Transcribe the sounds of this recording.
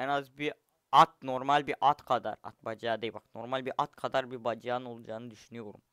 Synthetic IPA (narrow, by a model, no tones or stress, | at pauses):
ɛnazbiɾ | at̪̚noɾmalʲbiɾʔat̪qʰɑd̪a̰ɾa̰t̪̚bɑd͡ʒjaːd̪ejbɑqt̪no̞ɾmalʲbiɾʔat̪kʰɑd̪aɾbiɾbɑd͡ʒjɑːnɯolˠud͡ʒɑːnɯd̪yʃynyjoɾṵm